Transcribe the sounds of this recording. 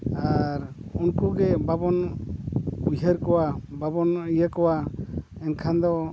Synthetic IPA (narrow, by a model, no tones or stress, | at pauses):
aɾunkuɡɛbabɔn | ujɦəɾkɔwababɔnijəkɔwa | ɛnkʰand̪ɔ